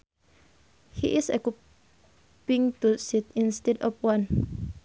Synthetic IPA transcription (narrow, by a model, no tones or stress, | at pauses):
hḭʔisɛku | pĩŋt̪usit̪ĩnst̪ɛdɔfwãn